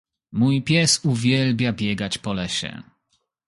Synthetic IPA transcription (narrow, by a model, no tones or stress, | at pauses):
mujpʲjɛsuvʲjɛlbʲjabʲjɛɡat͡ɕpɔlɛɕɛ̰